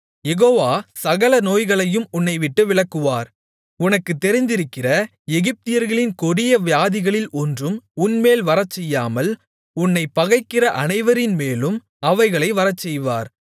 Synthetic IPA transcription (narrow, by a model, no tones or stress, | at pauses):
jɛɣoːʋaːsɐɣɐɭɐnoːjɣɐɭɐjɯmʊnːɐɪʋɪʈːɯʋɪɭɐkːɯʋaːɾ | ʊnɐkːɯt̪ːɛɾɪnd̪ɪɾɯkːɪrɐ | ɛɣɪp̚t̪ɪjɐɾɣɐɭɪnkɔɽɪjɐʋjaːðɪɣɐɭɪlɔndrɯmʊnmeːlʋɐɾɐt͡ʃːɛjːaːmɐl | ʊnːɐɪpːɐɣɐɪkːɪrɐʔɐnɐɪʋɐɾɪnmeːlɯm | ɐʋɐɪɣɐɭɐɪʋɐɾɐt͡ʃːɛjʋaːɾ